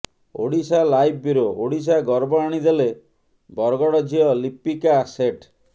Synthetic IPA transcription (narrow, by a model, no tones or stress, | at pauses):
o̰ɽisalajbːiɾooɽis̬aɡɔɾbɔaɽ̃id̪ele | bɔɾɡɔɽɔd͡ʒʱiɔlipːikaːseʈ